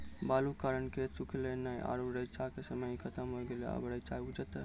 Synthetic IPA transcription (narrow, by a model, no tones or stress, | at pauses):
balukaɾənket͡ʃukʰlenəjʔa̰ɾuɾəjt͡ʃakesəməjkʰət̪əmɦoɡelea̰bəɾəjt͡ʃaud͡ʒət̪ə